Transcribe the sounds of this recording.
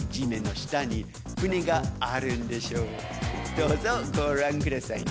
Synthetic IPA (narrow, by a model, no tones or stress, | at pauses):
d͡ʑimẽno̞ɕi̥t̪aɲi | kɯ̟neɡaːɾɯ̟nd̪e̞ɕoː | d̪̥oːzoɡoːɾãŋkɯ̟ɾasain